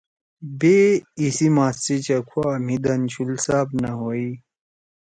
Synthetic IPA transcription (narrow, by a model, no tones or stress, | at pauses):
beisimaːst͡sit͡ɕɐkʰuaːmid̪ɐnt͡ɕʰulsaːbnɐɦoi